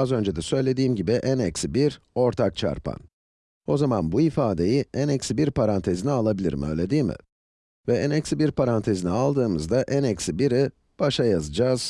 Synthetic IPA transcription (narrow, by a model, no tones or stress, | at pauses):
azø̞nd͡ʒɛd̪ɛsø̞jlʲe̞d̪iːmɟibiʔænɛcsibiɾo̞ɾt̪ʰak̚t͡ʃʰa̰ɾpʰa̰n | o̞zamanbuifaːd̪e̞jiʔænɛcsibiɾpʰaɾant̪ʰe̞zinialˠabilʲḭɾmḭø̞̰jlʲe̞d̪iːmɪ̰ | vɛænɛcsibiɾpʰaɾant̪ʰe̞zinialˠd̪ɯːmɯzd̪aʔænɛcsibiɾi | b̥aʃajazɯd͡ʒaːz̥